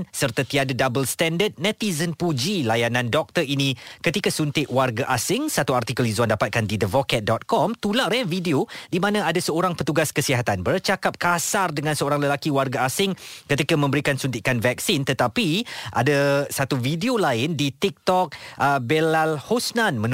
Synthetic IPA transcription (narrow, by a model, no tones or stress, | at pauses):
nsərt̪at̪iadadabəlst̪ɛndəd̪̚nɛt̪izənpud͡ʒilajanãndɔk̚t̪ərinĩkət̪ikasunt̪ɪʔwarɡaʔasɪŋsat̪uart̪ikəlizuandapat̪̚kandidəvɔkɛt̪̚dɔt̪̚kɔmt̪ulaʔɾɛvideodimãnãadasəoɾaŋpət̪uɡaskəsiɦat̪anbərt͡ʃakap̚kasardəŋãnsəoɾaŋləlakiwarɡaasɪŋkət̪ikamə̃mbəɾikansunt̪ɪʔkanvɛk̚sɪnt̪ət̪apiʔa̰dasat̪uvideolaɪndit̪ik̚t̪ɔk̚ʔəbelalhosnanmə̃n